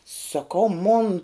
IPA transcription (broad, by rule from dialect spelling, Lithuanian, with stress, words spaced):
sɐkɐʊ moːn